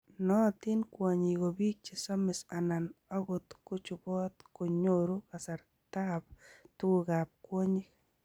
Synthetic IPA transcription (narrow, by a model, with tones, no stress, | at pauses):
nɔ˦t̪ɪ˦nkwa˨ɲi˨ɡo˨bi˦k̚t͡ʃi˨sɔ˦mɪ˨sa˨na˨nɔ˦ɡʊ˨t̪kʊ˦t͡ʃʊ˨bɔ˦t̪ko˨ɲoɾu˦ka˨sa˨ɾ | t̪a˦btu˦u˨ɡa˨p̚kwo˦ɲɪ˦k